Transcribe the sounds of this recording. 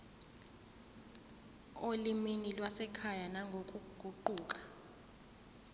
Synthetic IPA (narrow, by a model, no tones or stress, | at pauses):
oliminilwasɛkʰajanaŋɡʱokʼuɡ̥ʱuǃuːk̬ʼḁ